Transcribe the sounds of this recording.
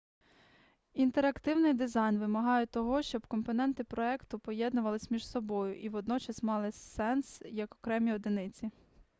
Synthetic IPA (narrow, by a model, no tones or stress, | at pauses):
int̪eɾɐkt̪ɪwnɪjd̪ɪzɑjnʋɪmɐɦɑjɛt̪ɔɦɔʃt͡ʃɔbkɔmpɔnɛnt̪ɪpɾɔɛkt̪ʊpɔjɛd̪nʊʋɐlˠɪsʲmʲiʒsɔbɔjʊʔiʋɔd̪̚nɔt͡ʃɐsmɑlˠɪsɛnsjɐkɔkɾɛmʲiɔd̪ɪnɪt͡sʲi